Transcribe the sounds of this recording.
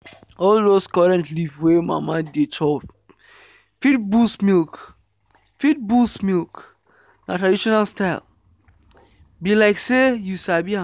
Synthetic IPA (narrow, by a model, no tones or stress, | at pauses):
ɔldoskɔɹɛ̃ntlivwema̰madet͡ʃʰɔ | fitbusmilk | fit̚bulsmilˠk | natʰɹadiʃɔnalˠstaɪl | bilaɪksejusabiã